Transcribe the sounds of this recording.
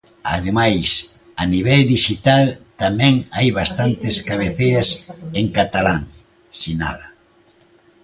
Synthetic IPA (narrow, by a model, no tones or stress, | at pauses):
a̰ðemajs | aniβ̞ɛld̪iʃit̪alt̪amɛ̃ŋajβast̪ant̪ɪskaβ̞eθejɐseŋkat̪alaŋ | sina̰ðɐ